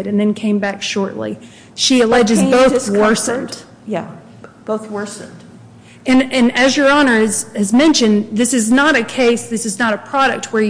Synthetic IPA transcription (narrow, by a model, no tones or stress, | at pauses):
ɾɨ̃nðɨ̃nkʰẽɪ̃mbækʃɔɹʔlḭ | ʃiɨlɛd͡ʒɨzboʊθwɜ˞sɨ̃nd̥ | jæ | b̥oʊθwɜ˞sɨ̃nd̥ | ɨ̃nɨ̃nɨzjə˞ɑnə˞ɨzɨzmɛ̃nʃɨ̃nðɪsɨznəɾɨkʰeɪsðɪsɨznəɾɨpʰɹ̥ɑɾɨk̚t̚wə˞